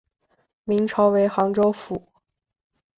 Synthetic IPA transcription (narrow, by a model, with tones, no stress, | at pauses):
mi˧˥ŋʈ͡ʂʰɑ˧˥ʊwe˧˥ɪxɑ˧˥ŋʈ͡ʂo˥ʊfu˨˩˦